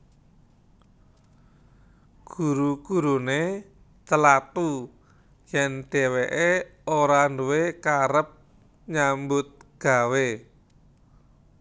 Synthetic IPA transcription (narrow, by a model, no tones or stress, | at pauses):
ɡ̥ṳɾuɡ̥ṳɾune | t͡ʃəlat̪u | jɛnd̪̥e̤weʔeoɾanduwekaɾəp̚ | ɲambʊt̪̚ɡ̥a̤we